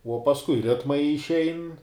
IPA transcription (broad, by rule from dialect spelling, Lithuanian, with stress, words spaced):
uɔ pɐsˈkʊɪ ˈrʲɪtmɐɪ ɪʃʲˈɛɪn